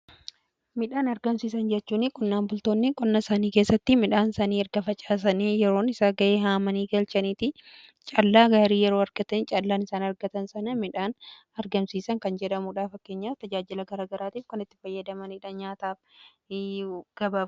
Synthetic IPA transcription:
mɪᶑaːnɐɾɡɐmsiːsɐnd͡ʒɛt͡ʃːuːnɪkʼʊnːaːnbʊlt̪o̞ːnːɪkʼʊnːɐsaːniːkeːsːɐt̪ːɪmɪᶑaːnsaniːɛɾɡɐfɐt͡ʃʼaːs̬ɐniːjɛɾo̞ːnɪsaːɡɐʔeːɦaːmɐniːɡɐlt͡ʃɐniːt̪ɪ | t͡ʃʼɐlːaːɡaɾiːjɛɾo̞ːɐɾɡ̥ɐt̪ɐnt͡ʃʼɐlːaːnɪsaːnɐɾɡɐt̪ɐnsɐnɐmɪᶑaːn | ɐɾɡɐmsiːsɐŋkɐnd͡ʒɛᶑɐmuᶑaːfɐkːe̞ːɲːaːt̪ɐd͡ʒaːd͡ʒɪlɐɡɐɾaːɡɐɾaːt̪iːfkɐnɪt̪ːɪ̥fɐjːɐd̪ɐmɐniᶑɐɲaːt̪aːf | ɡ̥ɐbaːf

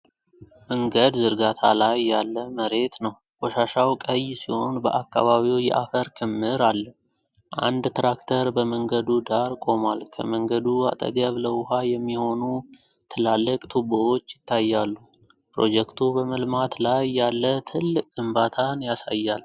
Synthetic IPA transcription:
məŋɡəd̪zɨɾɡat̪ʰa̰lajːalːəməɾe̞t̪nəw | ɡ̥ɔʃaʃawkʼəjːsiho̞nbə̰ʔakːa̰βaβiwjɛ̰ʔafəɾkʰɨmːɨɾalːə | ʔa̰nd̪t̪ɾakt̪ʰəɾbəməŋɡəd̪ud̪aɾkʼo̞malkʰə̰məŋɡəd̪ua̰t̪ʼə̰ɡəβləwʊhajɛmːiho̞nu | t̪ʰɨlalːəkʼt̪ʰubəo̞t͡ʃːjɪt̪ʰːajːalːu | pɾo̞̰d͡ʒɛkt̪ʰubəməlmat̪lajːalːət̪ʰɨlːɨkʼɡɨmbat̪ʰanjasa̰jːal

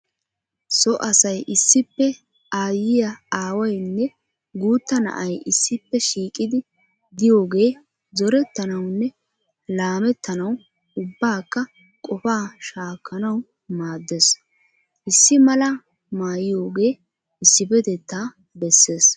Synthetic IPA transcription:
sɔʔɐsɐjʔɪsːɪpːɛ | aːjɪjɐaːwɐjnːɛ | ɡuːt̪ːɐnɐ̰ʔɐjʔɪsːɪpːɛʃiːkʼɪd̪ɪ | d̪ɪjo̞ːɡe̞ː | zɔɾɛt̪ːɐnɐwnːɛ | laːmɛt̪ːɐnɐw | ʊbːaːkːɐ | kʼɔfaːʃaːkʰːɐnɐw | maːd̪ːes | ʔɪsːɪmɐlɐ | maːjɪjo̞ːɡe̞ː | ɪsːɪbɛd̪ɛt̪ːaː | bɛsːe̞ːs

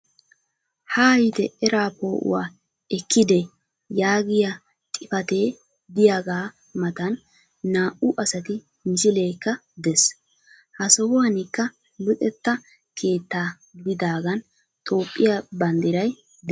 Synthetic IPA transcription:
haːjɪt̪ɛɛɾaːpo̞ːʔʊ̰waː | ɛkːɪd̪ɛ | jaːɡɪjɐ | t̪ʼɪfɐt̪eː | d̪ɪjaɡaː | mɐt̪ɐnː | aːʔʊʔɐsɐt̪ɪ | mɪsɪle̞ːkːɐd̪ɛs | hɐsɔhɔwɐnɪkːɐ | lʊt̪ʼɛt̪ːɐ | kʰe̞ːt̪ːaː | ɡd̪ɪd̪aːɡɐn | t̪ʼo̞ːpʼːɪjɐbɐnd̪ɪɾɐj | d̪

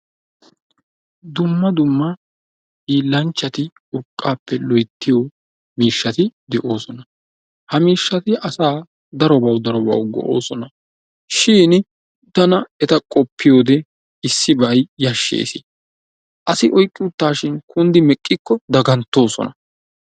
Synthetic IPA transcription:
d̪ʊmːɐd̪ʊmːɐ | iːlːɐnt͡ʃːɐt̪ɪ | ʊkʼːaːpːɛlɔjt̪ːɪjo | miːʃːɐt̪ɪd̪ɛʔo̞ːsɔnɐ | hɐmiːʃːɐt̪ɪʔɐsaː | d̪ɐɾɔbɐwd̪ɐɾɔbɐ̰wɡɔ̰ʔo̞̰ːsɔnɐ | ʃiːn | t̪ɐnɐɛt̪ɐkʼɔpːɪjo̞ːd̪ɛ | ɪsːɪbɐjjɐʃːḛːsɪ̰ | ʔɐsɪʔɔjkʼːɪʊt̪ːaːʃɪnkʰʊnd̪ɪmɛkʼːɪkːɔd̪ɐɡɐnt̪ːo̞ːsɔ̰nɐ

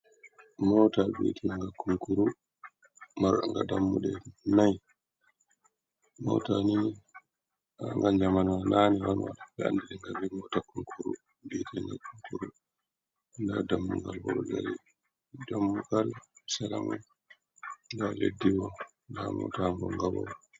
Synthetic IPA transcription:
mɔtabḭːtʰinaŋɡakuŋkuɾu | maɾɗaŋɡadamːuɗɛnaj | mɔ̰tani | aŋɡald͡ʒamanananiwanwa̰ɗabɛandiɗɛŋɡabimɔtakuŋkʰuɾṵ | bitiŋɡakuŋkuɾu | ndadamːuŋɡalbɔ̰ɾud͡ʒaɾi | damːuɡalsalamɔ | ndaledːiwɔ | nda̰mɔ̰taŋɡɔŋɡabɔwɔ

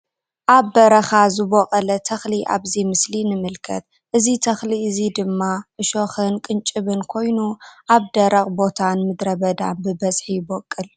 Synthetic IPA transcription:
ʔaβːɐɾɐxazɨbokʼɐlɐt̪ʰɐxliʔa̰βzimɨslinɨmɨlkʰɐ̰t̪̚ | ʔɨzit̪ʰɐxliɨzid̪ɨmːaʔɨʃoxɨnkʼɨnt͡ʃʼɨβɨnkʰo̞jnuʔaβd̪ɐɾɐχʼbo̞t̪ʰanmɨd̪ɾɐbɐd̪a̰nbɨbɐzħibokʼːɨl

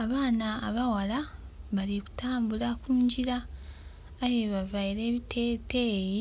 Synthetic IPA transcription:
aβaːnaːβawala | βaliku̥tʰaːmbulakuːɲɟiɾaː | jeβavaiɾe̞ːβitʰeːte̞ji

